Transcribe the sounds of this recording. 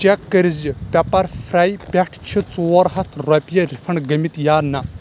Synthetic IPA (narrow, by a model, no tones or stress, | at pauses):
t͡ʃekːɐɾizipʲɐpɐɾfʰɾaːjpʲɛʈʰt͡ʃʰit͡soːɾɦɐt̪ʰɾɔpʲijɐɾʲifʰɐɳɡɐmit̪jaːnɐ